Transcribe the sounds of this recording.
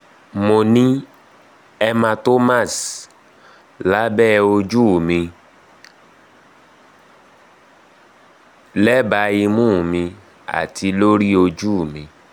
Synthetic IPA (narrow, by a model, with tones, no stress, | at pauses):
mo˧nĩ˦ | ɛ˧mã˧to˦ma˦˨s | la˨˦bɛ˦˨o˧d͡ʒu˦˨mĩ˧ | lɛ˦ba˧i˧mũ˦˨mĩ˧ | a̰˨tʰi˧lo˦ɾi˦o˧d͡ʒu˦˨mĩ˧